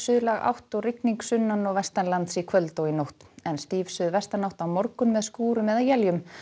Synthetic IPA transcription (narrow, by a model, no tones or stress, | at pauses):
sʏðʏlaɣa̰wht̪ɔrɪkniŋksʏnːanɔɣvɛst̪anlant̪sikʰvœlt̪owinowht̪ɛnst̪iːvsʏðvɛst̪anawht̪awmɔɾkʏnmɛðskuːɾʏmɛðawjɛljʏm